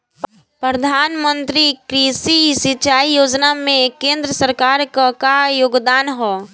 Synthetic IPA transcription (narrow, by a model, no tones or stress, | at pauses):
pɾəd̪ʱaːnmə̃nt̪ɾikɾisisɪt͡ʃaːijoːd͡ʒnamẽkẽːnd̪ɾəsəɾkaːɾkakajoːɡd̪aːnɦɔː